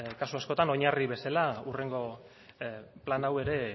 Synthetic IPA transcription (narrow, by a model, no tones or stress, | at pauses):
kasuasko̞t̪ano̞ɲariβe̞salaure̞ŋɡo̞ | planawe̞ɾe̞